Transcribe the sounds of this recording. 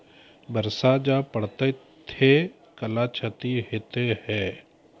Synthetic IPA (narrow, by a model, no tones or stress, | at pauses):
bəɾsad͡ʒapəɽt̪e | t̪ʰe | kəlat͡ʃʰət̪iɦet̪eɦɛː